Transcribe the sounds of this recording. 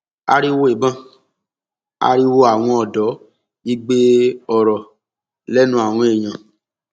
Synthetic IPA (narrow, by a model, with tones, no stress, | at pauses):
a̰˧ɾi˦wo˦e˨bã˦ | a̰˧ɾi˦wo˦a˨w̃ɔ̃˧ɔ˨dɔ˨˦ | i˦ɡ͡be˦ɔ˨ɾɔ˨ | lɛ˦nũ˦a˨w̃ɔ̃˧˦e˨j̃ã˨